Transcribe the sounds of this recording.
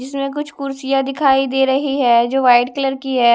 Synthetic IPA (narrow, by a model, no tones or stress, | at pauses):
d͡ʒɪsmẽk̬ʊt͡ʃʰkʊɾsijad̪ɪkʰaːid̪eːɾɐɦiɦɛːd͡ʒoːʋaːɪɖkɐləɾkiɦɛː